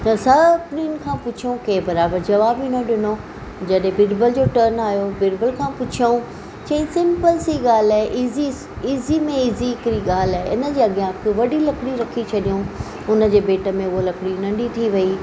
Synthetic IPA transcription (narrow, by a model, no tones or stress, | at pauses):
t̪ɐsɐpninɪ̆kʰãpʊt͡ɕʰiõkeːbɐɾaːbəɾd͡ʑɐʋaːbinoɗɪno | d͡ʑɐɗɦẽbɪɖbəld͡ʑoːʈəɾnaːjobɪɖbəlkʰãːpʊt͡ɕʰiũ | t͡ɕɐ̃ĩsɪ̃mpəlsiːɠaːl̤aːɦeʔiːzi | iːzimẽiːziɪkɾiɠaːl̤aːeʔɪnə̆d͡ʑeːɐɡijãkʰʋɐɖilɐkɽiɾɐkʰit͡ɕʰɐɗijũ | ʊnə̆d͡ʑeːbeːʈə̆mẽʊɦolɐkɽinɐ̃ɳɖit̪ʰiʋɐi